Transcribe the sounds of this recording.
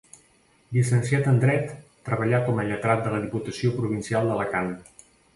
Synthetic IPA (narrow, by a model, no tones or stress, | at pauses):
lisənsiat̪ənd̪ɾɛt̪ː | ɾəβəʎakɔməʎət̪ɾat̪̚d̪ələð̞iput̪əsiopɾuβ̞insialˠd̪ələkan